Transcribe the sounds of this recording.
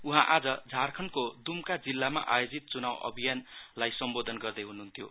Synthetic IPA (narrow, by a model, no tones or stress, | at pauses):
uɦãʔad͡zʌd͡zʱarkʰʌnkod̪umkad͡zilːama̰ʔajod͡zit̪̚t͡sunawʌ̰bʱijanlajsʌmbod̪ʱʌnɡʌrd̪ʌjɦunuɦunt̪ʰjo